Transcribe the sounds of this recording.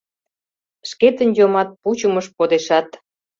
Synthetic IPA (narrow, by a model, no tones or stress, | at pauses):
ʃket̪ənjomɑt̪̚put͡ɕuməʃpod̪eʃɑt̪